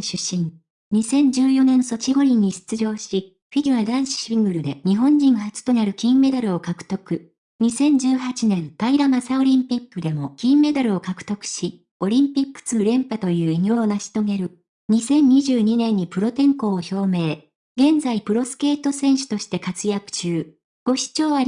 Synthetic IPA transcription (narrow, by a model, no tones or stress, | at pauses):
ɕɨɕĩŋ | ɲ̟isẽ̞ɲ̟d͡ʑɨːjo̞nẽ̞nso̞t͡ɕiɡo̞ɾʲiɲ̟ːiɕi̥t͡sɨʑo̞ːɕi | ɸʲidʲiβad̪ãɰ̃ɕi̥ɕĩŋɡɯ̟ɾɯ̟d̪e̞ɲ̟iɦõ̞ɲ̟d͡ʑĩɰ̃hat͡sɨ̥t̪o̞naɾɯ̟kʲĩmːe̞d̪aɾɯ̟o̞kakɯ̟̥t̪o̞kɯ̟ | ɲ̟isẽ̞ɲ̟d͡ʑɨːhat͡ɕinẽ̞nt̪aiɾamasao̞ɾʲĩmpʲikːɯ̟d̪e̞mo̞kʲĩmːe̞d̪aɾɯ̟o̞kakɯ̟̥t̪o̞kɯ̟̥ɕi | o̞ɾʲĩmpʲikːɯ̟̥t͡sɨːɾẽ̞mpat̪o̞jɯ̟ːiɲʲjoːnaɕi̥t̪o̞ɡe̞ɾɯ̟ | ɲ̟isẽ̞ɲ̟ːiʑɨːɲ̟inẽ̞ɲ̟ːipɯ̟ɾo̞t̪ẽ̞ŋko̞ːço̞ːme̞ː | ɡẽ̞nd͡zaipɯ̟ɾo̞sɨ̥ke̞ːt̪o̞sẽ̞ɰ̃ɕɨ̥t̪o̞ɕi̥t̪e̞kat͡sɨjakɯ̟̥t͡ɕɨː | ɡ̥o̞ɕi̥t͡ɕo̞ːβa